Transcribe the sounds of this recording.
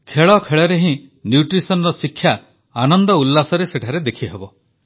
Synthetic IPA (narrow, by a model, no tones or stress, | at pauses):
kʰeɭɔkʰeɭɔɾeɦĩnjuʈɾisɔnɔɾɔsikʰːja | anɔnd̪ɔulːasɔɾeseʈʰaɾed̪ekʰiɦebɔ